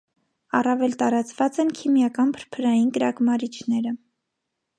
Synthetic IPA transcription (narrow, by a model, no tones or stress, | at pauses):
ɑ̰rɑvɛlt̪ɑɾɑt͡svɑt͡sɛnkʰimjɑkɑnpʰəɾpʰəɾɑjinkəɾɑkmɑɾit͡ʃʰnɛɾə